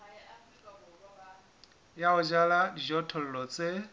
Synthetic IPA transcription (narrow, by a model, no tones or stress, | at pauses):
jaʊd͡ʒaladid͡ʒɔtʰɔl̩lɔt͡sʼe